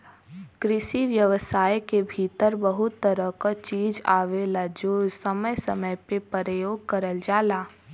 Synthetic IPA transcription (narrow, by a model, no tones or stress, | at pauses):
kɾɪʃiʋjəʋəsaːjkebʱiːt̪əɾbəɦʊt̪ːəɾəkat͡ʃiːd͡ʒaːʋeːlad͡ʒoːd͡ʒsəməjsəməjpepəɾəjoːɡ̚kəɾəld͡ʒaːlaː